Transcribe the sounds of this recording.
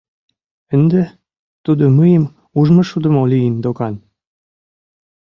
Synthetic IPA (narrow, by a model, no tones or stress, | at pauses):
ənd̪ĕ | t̪ud̪oməjəm | uʒmɤ̆ʃud̪ə̆moliənd̪okɑn